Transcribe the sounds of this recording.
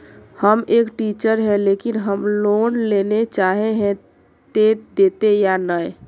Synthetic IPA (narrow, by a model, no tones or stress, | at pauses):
həmekʈit͡ʃəɾɦɛ̃lekinɦəmlonlenet͡ʃaɦeɦɛ̃ | t̪ed̪et̪ejanəj